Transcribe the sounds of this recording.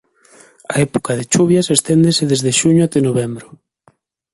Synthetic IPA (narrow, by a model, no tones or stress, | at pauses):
a̰ɛpo̥kaðet͡ʃuβjaɐsest̪end̪eseðezðeʃuɲʊat̪enoβ̞ɛmbɾʊ